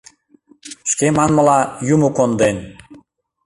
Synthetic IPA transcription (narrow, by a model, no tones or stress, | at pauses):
ʃkemɑnməlɑjumukond̪en